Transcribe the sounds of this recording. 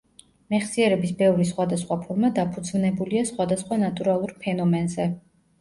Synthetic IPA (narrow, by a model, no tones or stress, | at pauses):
mɛχsiɛɾɛbisbɛvɾisχwad̪asχwapʰɔɾmad̪apʰud̪zvnɛbuliasχwad̪asχwanat̪ʼuɾalˠuɾpʰɛnɔmɛnzɛ